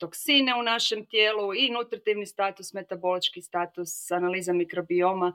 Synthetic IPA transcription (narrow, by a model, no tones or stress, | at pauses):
t̪o̞ksine̞unaʃe̞mt̪jeːluinut̪ɾat̪iʋnist̪aːt̪usme̞t̪abo̞lit͡ʃkist̪aːt̪usanaliːzamikɾo̞bio̞ma